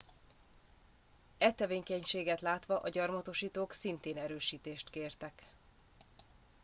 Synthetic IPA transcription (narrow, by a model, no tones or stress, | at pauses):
ɛt̪ːɛveːŋkɛɲʃeːɡɛt̪laːt̪ʋɒʔɒɟɒrmɒt̪oʃiːt̪oːksint̪eːnɛɾøːʃiːt̪eːʃt̪keːrt̪ɛk